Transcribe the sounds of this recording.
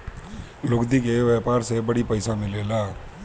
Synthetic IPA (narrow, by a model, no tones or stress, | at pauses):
lokd̪ikeʋjapaɾsebəɽipəjsamɪlela